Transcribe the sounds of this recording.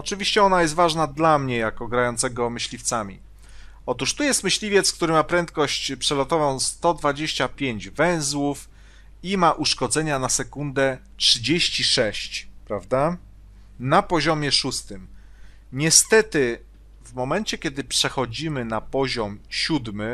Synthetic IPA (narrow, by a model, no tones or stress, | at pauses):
ɔt͡ʂɘvʲiɕt͡ɕɛɔnajɛst̪vaʐnad̪lamɲɛjakɔɡɾajɔnt̪sɛɡɔmɘɕlʲift̪samʲi | ɔt̪uʂt̪ujɛst̪mɘɕlʲivʲjɛt̪skt̪uɾɘmapɾɛnt̪kɔɕt͡ɕpʂɛlɔt̪ɔvɔ̃w̃st̪ɔd̪vad͡ʑeɕt͡ɕapʲjeɲd͡ʑvɛ̃w̃zwuf | imaʔuʂkɔd̪zɛɲanasɛkund̪ɛtʂɘd͡ʑeɕt͡ɕiʂɛɕt͡ɕpɾavd̪a | napɔʑɔmʲjɛʂust̪ɘm | ɲɛst̪ɛt̪ɘ | vmɔmɛnt͡ɕɛkʲɛd̪ɘpʂɛxɔd͡ʑimɘnapɔʑɔmɕud̪mɘ